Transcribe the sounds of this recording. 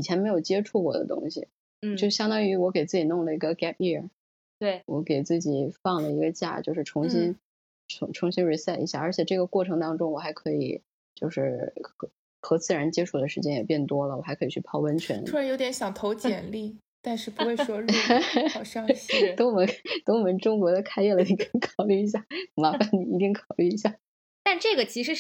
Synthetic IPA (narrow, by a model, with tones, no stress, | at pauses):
i˨˩jɛ˧˥nme˧˥ɪjo˨˩ʊt͡ɕjɛ˥ʈ͡ʂʰu˥˩kwɔ̰˥˩d̪ə̰˦t̪ʊ̰˥ŋɕḭ˨˩ | t͡ɕjo˥˧ʊʂɻ̩˥˩ɕjɑ˥ŋt̪ɑ˥ŋy˧˥wɔ˧˥ke˨˩ɪt͡sɹ̩˥˩t͡ɕi˨˩nʊ˥˩ŋlə˩i˧˥ɡə˧kɛ˥pi˥˩ | t̪we˥˩wɔ˧˥ke˨˩ɪt͡sɹ̩˥˩t͡ɕi˨˩˦fɑ˥˩ŋlə˩i˧˥ɡə˧t͡ɕja̰˥˩t͡ɕjo˥˧ʂɻ̩˥˩ʈ͡ʂʰʊ˧˥ŋɕi˥n | ʈ͡ʂʰʊ˧˥ŋʈ͡ʂʰʊ˧˥ŋɕi˥nɻi˧˥sɛ˥˩i˧˥ɕja˥˩ə˞˧˥t͡ɕʰjɛ˨˩ʈ͡ʂɤ˥˩ɡə˩kwɔ˥˩ʈ͡ʂʰɤ˧˥ŋt̪ɑ˥ŋʈ͡ʂʊ˥ŋwɔ˨˩xa˧˥ɪkʰɤ˧˥ḭ˨˩ | t͡ɕjo˥˧ʂɻ̩˥˩xɤ˧˥ | xɤ˧˥t͡sɹ̩˥˩ɻa˧˥nt͡ɕjɛ˥ʈ͡ʂʰu˥˩d̪ə˩ʂɻ̩˧˥t͡ɕjɛ˥njɛ˨˩pjɛ˥˩nt̪wɔ˥lə˨˩wɔ˨˩xa˧˥ɪkʰɤ˧˥i˨˩t͡ɕʰy˥˩pʰɑ˥˧ʊwə˥nt͡ɕʰɥɛ˧˥nʰu˥ɻa˥jo˧˥t̪jɛ˧˥nɕjɑ˨˩ŋt̪ʰo˧˥ʊt͡ɕjɛ˨˩nli˥˩ | t̪a˥˧nʂɻ̩˥˩pu˧˥xwe˥˩ɪwɔ˥lʂɑ˥˧ŋt̪o˥ŋwmə˧˥t̪o˥ŋwɔ˨˩mə˧˥nʈ͡ʂʊ˥ŋkwɔ˧˥d̪ə˧kʰa˥ɪjɛ˥˩lə˩ni˧˥ki˥ŋkʰɑ˨˩ʊly˥˩i˧˥ɕ̬ja˥˩ma˧˥fa˧nni˨˩i˧˥t͡ɕ̪i˥ŋkʰɑ˨˩ʊly˥˩i˧˥ɕja˥˩ | t̪a˥˧ʈ͡ʂɤ˥˩ɡə˩t͡ɕʰi˧˥ʂɻ̩˧˥